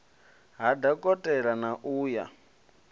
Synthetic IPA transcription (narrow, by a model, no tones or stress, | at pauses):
ɦadakʼɔtʼɛɺanaʔuːja̰